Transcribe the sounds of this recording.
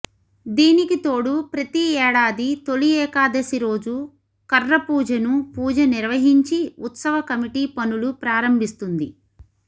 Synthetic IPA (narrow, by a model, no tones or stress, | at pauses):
d̪iːnikit̪o̞ːɽupɾɐt̪iɛːɽaːd̪it̪o̞liɛːkaːd̪ɐsiɾo̞ːd͡ʒu | kɐrːɐpuːd͡ʒɐnupuːd͡ʒɐniɾʋɐɦiɲt͡ʃiut̪sɐʋɐkɐmiʈiːpɐnulupɾaːɾɐmbʱist̪und̪ḭ